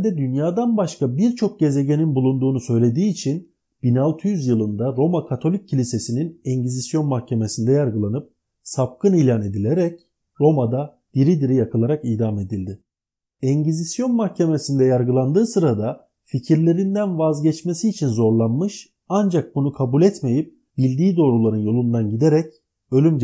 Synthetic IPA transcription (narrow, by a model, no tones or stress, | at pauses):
d̪ɛd̪ynjaːd̪anbaʃkabiɾt͡ʃʰo̞k̚ɟe̞ze̞ɟe̞ninbulˠund̪uːnusø̞jlʲe̞d̪iːt͡ʃʰin | b̥inalˠt̪ʰɯjyzjɯlˠɯnd̪aɾo̞makʰat̪ʰo̞lʲic̚ʰːilʲise̞sininɛɲɟizisjo̞nmahcʰe̞me̞sind̪ɛjaɾɡɯlˠanɯp̚ | sap̚kɯniːlʲaːne̞d̪ilʲeɾɛc | ɾo̞mad̪a | d̪̥iɾid̪iɾijakʰɯlˠaɾakiːd̪ame̞d̪ilʲd̪ɪ | ɛɲɟizisjo̞nmahcʰe̞me̞sind̪ɛjaɾɡɯlˠand̪ɯːsɯɾad̪a | ficʰiɾlʲe̞ɾind̪ænvazɟɛt͡ʃme̞siːt͡ʃʰinzo̞ɾlˠanmɯʃ | and͡ʒak̚bunukʰabulʲɛt̪me̞jip̚ | b̥ilʲd̪iːd̪o̞ːɾulˠaɾɯnjo̞lˠund̪anɟid̪eɾɛc | ø̞lʲym